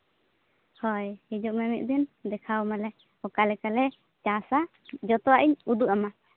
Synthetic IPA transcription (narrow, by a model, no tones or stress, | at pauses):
hɔjhid͡ʒɔʔmɛmɛʔ̪̚d̪ind̪ɛkʰawmalɛ | ɔkalɛkalɛ | t͡ʃãsa | d͡ʒɔt̪ɔaʔiɲud̪uʔama